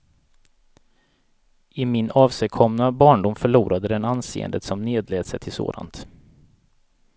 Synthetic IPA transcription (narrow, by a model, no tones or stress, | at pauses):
ɪmɪnɑːvsɛjkʰɔmnabɑːɳɖʊmfœɭuːɾad̪əd̪ɛnansḛːə̰nd̪ət̪sɔmneːd̪lɛːd̪sɛjt̪ʰɪlso̰ːd̪a̰nt̪